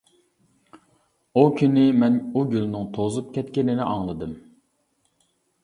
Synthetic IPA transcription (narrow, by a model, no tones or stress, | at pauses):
ukʲʰynɪmɛnuɡʲylnɪŋt̪ʰozupkʲɛt̪kʲɪnɪnɪʔɑŋlˠɨd̪ɨm